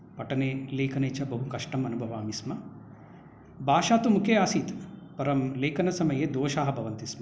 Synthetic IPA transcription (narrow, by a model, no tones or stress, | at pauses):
pɐʈɐneːleːkʰɐneːt͡ʃɐbɐɦukɐʂʈɐmɐnubʱɐʋaːmismɐ | bʱaːʃaːt̪umukʰeːaːsiːt̪pɐɾɐmleːkʰɐnɐsɐmɐjeːd̪oːʃaːɦɐbʱɐʋɐnt̪ismɐ